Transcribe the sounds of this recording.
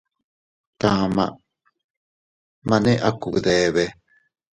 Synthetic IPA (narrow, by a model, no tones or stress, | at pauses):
t̪ama̰ | maneʔakṵðeβe